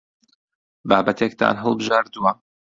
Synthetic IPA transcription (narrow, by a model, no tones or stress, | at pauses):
baːbɐt̪ʰek̚t̪ʰa̰ːnɦəlˠbɨʒaːɾd̪uwɐ